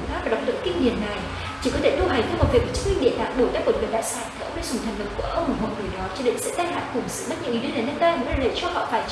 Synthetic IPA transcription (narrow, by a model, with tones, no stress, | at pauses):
fa˦˥t̚vaː˨˩ɗa˨˩k͡p̚ɗə̰˧˥ŋki˧ŋni˨˩ənnːa˨˩j | t͡ɕi˧˩kɔ˨˦t̪ʰe˧˩t̪u˧ɦa˨˩jŋ̟t̪ʰm̚˨˩vi˨˩və˨˩t͡ɕ̚mï˧ŋ̟ɗḭ˧˨ta̰ː˧˨ŋɓo˧˩jt̪aː˧˥mo˨˩t̚kɨ˨˩j̚ɗa̰ː˧˥saː˧˩nt̪ʰɛ˨˩ə˧wŋ͡mɗa˧˩zʊ˨˩ŋ͡mt̪ʰŋ̟lə˨˩p̚ku˧˩əʔə˧wŋ͡mmʊ˨˩ho̰˧˨ŋɨ˨˩jɗɔ˨˦t͡ɕɔ˧ɗḭ˧˨ŋsɨ̰˧˥t̪aː˧jɦla̰ː˧˨nkʊ˨˩ŋ͡msɨ̰˧˨ɓa˦˥t̚ɲɨ̰˧˥ʔi˨˦ɗɨ˧˦naː˧˩nəː˧˩t̪aː˧jə˧˨ləː˨˩t͡ɕɔ˧hɔ̰˧˨faː˧˩j